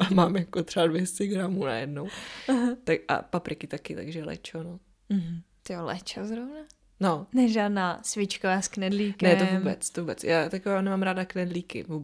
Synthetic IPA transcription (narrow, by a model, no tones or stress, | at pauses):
amaːmjakot̪r̥ɛbadvjɛstɛɡɾamuːna̰jɛdnowaɦt̪akʔa̰papɾɪkɪt̪akɪt̪a̰ɡʒɛlɛ̰t͡ʃono | m̩ɦ̩ | t̪ɪolɛ̰t͡ʃozɾovna | nonɛʒaːdnaːsvɪt͡ʃkavasknɛdliːknɛovuːbɛt͡st̪ovuːbɛt͡sjʔaːt̪akovaːnɛmaːmɾaːdaknɛdliːkɪ̰vuːb